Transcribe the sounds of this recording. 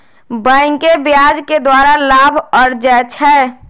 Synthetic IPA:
bə̃ɪŋkebjad͡ʒked̪waːɾalaːbʱəɾd͡ʒɛt͡ʃʰɛː

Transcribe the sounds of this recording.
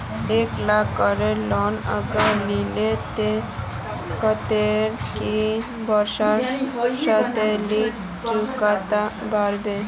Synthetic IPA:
eklakːəɾelɔnə̰ɡalilet̪e | kət̪eɾki | bəɾsasat̪eliʈ | d͡ʑukat̪abaɾbe

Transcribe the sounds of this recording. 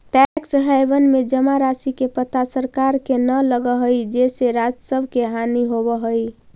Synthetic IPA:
ʈɛksɦəjbənmed͡ʒəmaɾasikepət̪asəɾkaɾkenələɡəɦəjd͡ʒeseɾad͡ʒsəbʱkeɦaniɦobəɦəj

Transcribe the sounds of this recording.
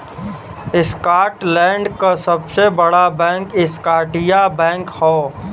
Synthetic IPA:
ɪskaːʈlɛ̃ːɳɖkasɐbsebɐɽabɛ̃ːŋkɪskaːʈɪjabɛ̃ːŋkhɔː

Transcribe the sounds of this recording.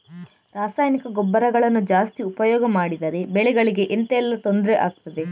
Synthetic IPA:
ɾaːsaːjnikɐɡɔbːɐɾɐɡɐɭɐnːud͡ʒaːst̪iupɐjɔːɡɐmaːɽid̪ɐɾe̞beɭɛɡɐɭiɡe̞ʔent̪ɛlːɐt̪o̞nd̪ɾeʔa̰ːɡ̚t̪ɐd̪e̞

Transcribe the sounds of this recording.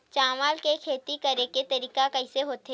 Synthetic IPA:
t͡ʃaːmaːlkekʰeːt̪ikɐɾeket̪ɐɾiːkakɐiseɦoːt̪e

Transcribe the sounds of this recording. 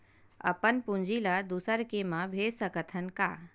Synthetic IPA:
ə̰pənpũnd͡ʒilad̪usəɾkemãbʱeːsəkət̪ʰənka̰

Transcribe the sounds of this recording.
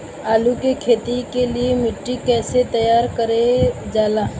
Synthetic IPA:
aːlukekʰeːt̪ikeliemɪʈːikɛːset̪əjaːɾkəɾed͡ʒaːlaː

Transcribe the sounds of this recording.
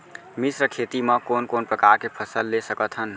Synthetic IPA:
misɾəkʰet̪imə̃konkonpɾəkaɾkepʰəsəlːesəkət̪ʰɦən

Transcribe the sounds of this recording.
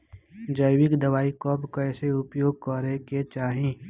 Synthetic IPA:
d͡ʒəjʋɪkd̪ɐʋaːikɔːbkɛːseʊpjoːɡ̚kɔɾeket͡ʃaːɦĩː

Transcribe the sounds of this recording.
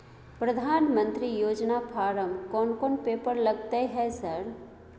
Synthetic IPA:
pɾɐd̪ʱaːnmə̃nt̪ɾijoːd͡ʒnapʰaːɾəmkɔːnkoːnpeːpəɾlɐɡt̪eɦɛsɐɾ

